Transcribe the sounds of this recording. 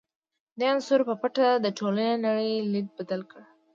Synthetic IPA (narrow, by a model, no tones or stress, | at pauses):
d̪eansʊɾpəpaʈad̪əʈʰolanenaɽəjlid̪̚bad̪alkəɽ